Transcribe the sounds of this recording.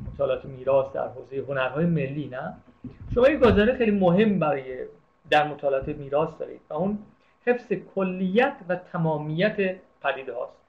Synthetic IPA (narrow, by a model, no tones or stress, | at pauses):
mot̪ʰɒːleɒːt̪ʰemiːɾɒːsd̪æ̰ɾɦoːze̞jeɦonæɾɦɒːjeme̞lːiːnæ | ʃomɒːjiɡɒzɒːɾexejlimoɦe̞mːbæɾɒːje | d̪æɾmot̪ʰɒːleɔːt̪emiːɾɒːsd̪ɒ̰ːɾḭd̪væun | he̞fsekʰolːijæt̪ʰvæt̪ʰæmɒːmijæt̪ʰepʰæd̪iːd̪ehɒ̰ːst̪